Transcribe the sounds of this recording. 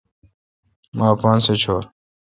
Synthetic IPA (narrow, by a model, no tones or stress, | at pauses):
maːpɑːnset͡ɕʰoːɾ